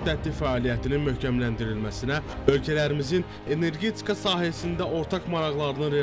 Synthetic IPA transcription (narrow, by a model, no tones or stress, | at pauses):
d̪æt̪ːifæɑːlijæt̪ʰininmøhcæmlænd̪iɾilmæsinæø̞lcʰælæɾimizin | e̞ne̞ɾɡe̞t̪ʰi̥kʰɑsɑːɦæsind̪æʔo̞ɾt̪ʰɑkmɑɾɑɣlˠɑɾɯnɯɾe